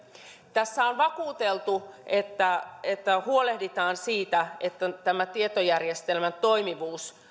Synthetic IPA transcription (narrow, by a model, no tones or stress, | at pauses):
t̪æsːæonʋɑkuːt̪elt̪uet̪ːæet̪ːæhuolehdit̪ɑːnsiːt̪æet̪ːæt̪æmæt̪iet̪ojærjest̪elmænt̪o̞imiʋuːs